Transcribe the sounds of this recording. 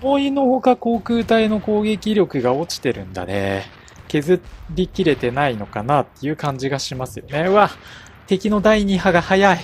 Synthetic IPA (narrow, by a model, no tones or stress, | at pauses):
oino̞ho̞kako̞ːkɯ̟ːt̪aino̞ko̞ːɡe̞kʲiɾʲo̞kɯ̟ɡao̞t͡ɕi̥t̪e̞ɾɯ̟̰̃nd̪a̰ne̞̰ | ke̞zɨɾʲikʲiɾe̞t̪e̞naino̞kanat̪ːe̞jɯ̟kãɲ̟d͡ʑiɡaɕimasɨjo̞ne̞βa | t̪e̞kʲino̞d̪aiɲ̟iɦaɡahajai